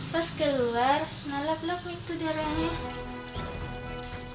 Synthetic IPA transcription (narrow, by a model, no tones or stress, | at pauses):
paskəluar | nalaplakit̪udaɾaɲa